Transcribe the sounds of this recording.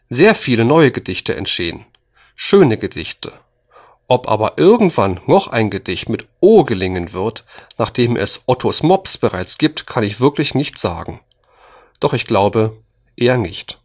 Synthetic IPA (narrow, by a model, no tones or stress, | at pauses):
zeːɐfiːlənɔʏəɡədɪçtʰəʔɛ̰ntʃteːə̰n | ʃøːnəɡədɪçtʰə | ʔɔpʔa̰ːbɐʔɪɐɡŋ̩tv̥anːɔχʔa̰ɪnɡəd̥ɪçtmɪtʔoːɡəlɪŋənvɪɐtnaːχd̥eːmʔɛ̰sʔɔtʰosmɔpsb̥əʁaɪt͡sɡ̥iːp̚tkʰanɪçv̥ɪɐklɪçnɪçtz̥a̰ːɡŋ̩ | d̥ɔχɪçɡ̥laʊbə | ʔeːɐnɪçt